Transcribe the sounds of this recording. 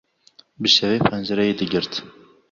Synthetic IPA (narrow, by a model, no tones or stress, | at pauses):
bɨʃɛveːpʰɛnd͡ʒɛɾɛjeːd̪ɨɡɨɾt̪